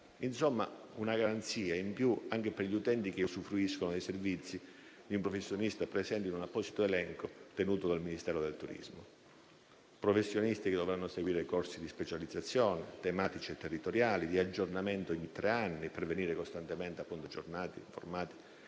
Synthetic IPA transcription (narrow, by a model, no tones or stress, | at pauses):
insomːa̰unaɡaɾant̪siːaimpjuaŋk̟eperʎiut̪ɛnt̪ik̟esufːɾuiskonod̪ejservit̪sːi | d̪iumpɾofesːjonist̪apɾesɛnt̪inunapːɔːsit̪oelɛŋkot̪enuːt̪od̪alminist̪ɛːɾod̪elt̪uɾḭzmo | pɾofesːjonist̪iked̪ːovɾanːoseɡwiːɾekorsid̪ispet͡ʃalid̪zat̪sːjɔːnet̪emaːt̪it͡ʃiet̪ːerːit̪oɾjaːlid̪iad͡ʒːornament̪oiɲt̪ːɾʔeanːiperveniːɾekost̪ant̪ement̪eapːunt̪od͡ʒornaːt̪ḭiɱfo̰rmaːt̪i̥